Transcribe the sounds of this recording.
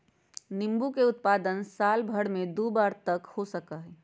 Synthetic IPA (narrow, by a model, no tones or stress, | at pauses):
nimbukeʊt̪̚pad̪ənsaːlbʱəɽmed̪ubaːɾt̪əkhosəkəɦɛ